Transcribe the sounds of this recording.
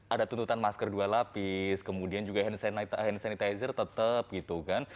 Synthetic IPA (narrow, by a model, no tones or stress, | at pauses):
ʔadat̪unt̪ut̪anmaskərdualapɪskəmudiand͡ʒuɡaɦɛnsant̪hɛnsanit̪ajzərt̪ət̪əp̚ɡit̪ukan